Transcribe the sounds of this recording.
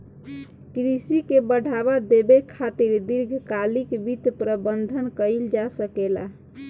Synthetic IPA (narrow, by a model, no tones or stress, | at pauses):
kɾisikebəɽ̤ʱaβad̪ebekʰat̪iɾd̪iɾɡʱkalikbit̪pɾəbənd̪ʱənkəɪld͡ʒasəkela̰